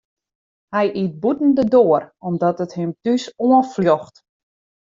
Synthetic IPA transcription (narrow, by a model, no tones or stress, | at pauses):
hɛjʔit̚butn̩dədoərɔmdɔtəthɪmtysoənfljɔxt